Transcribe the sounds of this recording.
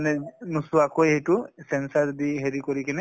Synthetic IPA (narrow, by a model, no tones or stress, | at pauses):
nɛnusuakojhejtusɛnsaɹdiɦeɹikɔɹikinɛ